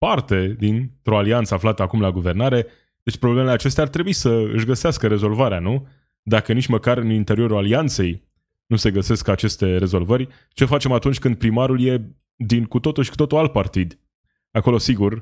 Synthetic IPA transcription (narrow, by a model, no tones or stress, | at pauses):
part̪e̞d̪int̪ɾo̞aliantsəaflat̪əakumlaɡuve̞rnaɾe̞ | d̪̥e̞t͡ʃʲpɾoblemeleat͡ʃe̞st̪eart̪ɾe̞buisəɨ̰ʃɡəseaskəɾe̞zolvaɾeanu | d̪akənit͡ʃməkaɾɨnint̪e̞ɾio̞ɾulaliant̪se̞j | nuse̞ɡəse̞skat͡ʃe̞st̪e̞ɾe̞zo̞lvərʲ | t͡ʃe̞fat͡ʃe̞mat̪unt͡ʃʲkɨnd̪̚pɾimaɾulje̞ | d̪inkut̪o̞t̪uʃkut̪o̞t̪ualt̪̚part̪id̪ | ako̞lo̞siɡur